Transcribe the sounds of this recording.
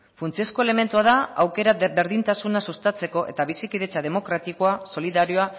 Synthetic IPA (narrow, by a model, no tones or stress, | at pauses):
funt͡siesko̞ele̞me̞nt̪uaðaawke̞ɾabe̞ɾðint̪asunasust̪at͡se̞ko̞ʔe̞̰t̪aβisikiðe̞t͡sað̞e̞mo̞kɾat̪ikoaso̞liðaɾio̞a